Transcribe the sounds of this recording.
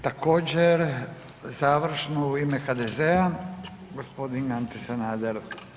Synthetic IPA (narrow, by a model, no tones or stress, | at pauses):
t̪ako̞ːd͡ʑeɾzaʋɾ̩ʃnouimexad̪ezea | ɡospo̞d̪inɡant̪isenaːd̪eɾ